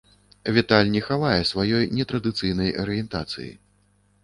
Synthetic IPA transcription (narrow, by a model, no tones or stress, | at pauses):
vʲit̪alʲnʲɛxavajɛsvajɔjnʲɛt̪ɾɐd̪ɨt̪sɨjnɐjɐɾɨjɛnt̪a̰t̪sɨ̰jḭ